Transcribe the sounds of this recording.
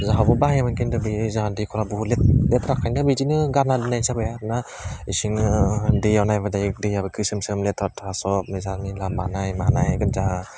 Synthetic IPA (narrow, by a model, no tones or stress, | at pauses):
zaɦabɯbaɦamɯnkʰindɯbizaɦadikʰɔɾabulet̚letɾakʰajndɯbid͡ʒinɯɡanadɯnajsabajaɾna | isiŋɯdejawnajbadajɯk̚dejabɯkʰɯsɯmsɯmletʰɔtʰasɔpmezanilamanajmanajɡɯt̚zaɦa